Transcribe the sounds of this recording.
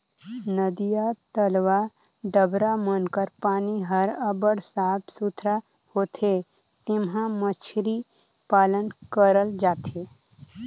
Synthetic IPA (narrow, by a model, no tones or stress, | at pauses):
nəd̪ijat̪əlʋa | ɖəbɾamənkəɾpaːniɦəɾəbəɽsaːbsut̪ʰɾa | hoːt̪ʰe | t̪ɪmɦãmət͡ʃʰɾi | paːlənkəɾəld͡ʒaːt̪e